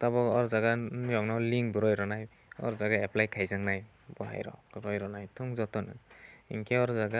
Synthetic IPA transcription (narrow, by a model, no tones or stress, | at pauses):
tabɔɔɾzaɡanijɔŋnɔliŋbɔɾɔjɾɔnaj | ɔ̰ɾzaɡaɛplajkʰajzaŋnaj | bɔɦa̰jɾɔ̰ɾɔjɾɔnajtʰɔŋzɔtɔnɯ̰ḭŋkʰeɔɾzaɡa